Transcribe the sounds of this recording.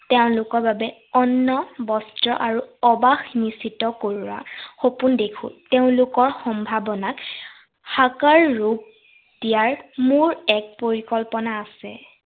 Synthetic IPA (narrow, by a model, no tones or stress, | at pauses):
teʊ̃lʊkɔɹbabɛɔnːɔbɔstɹɔ̰ʔaɹuɔbaxnisitɔkoɹwa̰xopundekʰʊ̰̃teʊ̃lʊkɔɹxɔmbʱabɔnak | xakaɹːuk̚ | d̥ijaɹmʊɹɛk̚poɹikɔlpɔnaːsɛ̰